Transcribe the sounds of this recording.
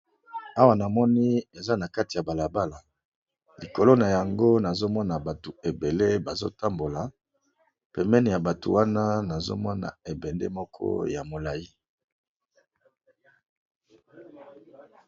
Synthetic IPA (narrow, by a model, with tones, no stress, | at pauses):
a˦wa˨na˨mɔ˦ni˦e˨za˦na˨ka˦ti˨ja˨ba˨la˨ba˦la˨ | li˨ko˨lo˦na˨ja˨ŋɡo˦na˨zo˦mɔ˦na˨ba˨to˨e˨be˨le˦ba˨zo̰˦ta˦mbo˨la˨ | pɛ˨mɛ˦ni˨ja˨ba˨to̰˨wa˦na˦na˨zo̰˦mɔ˦na̰˨e˨bɛ˨ndḛ˦mɔ˦kʰɔ̰˦ja˨mo˨la˨ji˦